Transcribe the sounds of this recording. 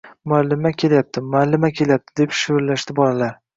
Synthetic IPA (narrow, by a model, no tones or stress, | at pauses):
mʊalːɪmakʲʰe̞lajap̚t̪ʰɪmʊalːɪmakʲʰe̞lajap̚t̪ʰɪd̪e̞pʃʊvɾlaʃt̪ɪbɒlalaɾ